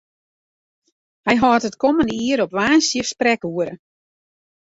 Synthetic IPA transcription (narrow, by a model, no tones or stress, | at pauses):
hɛjɦɔːtətkɔməndəiəɾɔpʋaːnsjəsprɛkuəɾə̰